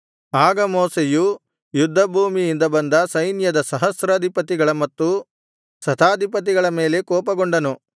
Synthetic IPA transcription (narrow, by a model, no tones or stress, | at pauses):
aːɡɐmɔːseju | jud̪ʱːɐbʱuːmiind̪ɐbɐnd̪ɐsɐjnjɐd̪ɐsɐɦɐsɾɐːd̪ʱipɐt̪iɡɐɭɐmɐt̪ːu | sɐt̪ʰaːd̪ʱipɐt̪̬iɡɐɭɐme̞ːle̞kɔːpɐɡoɳɖɐnu